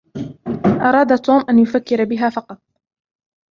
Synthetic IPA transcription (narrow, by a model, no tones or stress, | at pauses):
ʔɑɾˤɑːd̪at̪ːuːmʔanjʊfakːɪɾabɪɦaːfɑqɑt̪̚ˤ